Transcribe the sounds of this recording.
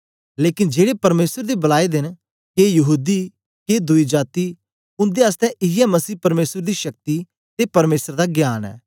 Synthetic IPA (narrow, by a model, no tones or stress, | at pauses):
leːkɪnd͡ʒeːɽepɐɾmeːsəɾd̪ibɐlaːid̪ɪn | kejɐɦuːd̪i | ked̪ʊid͡ʒaːt̪i | ʊ̃nd̪eəst̪ɛ̃ʔɪɛmɐsiːpɐɾmeːsəɾd̪iʃɐk̚t̪i | t̪epɐɾmeːsəɾd̪aɡjaːnɛ̰ː